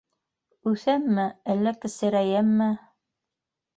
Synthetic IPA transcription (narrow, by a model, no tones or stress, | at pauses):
ʉθæmːæælːækɘ̆sɘ̆ɾæjæmːæ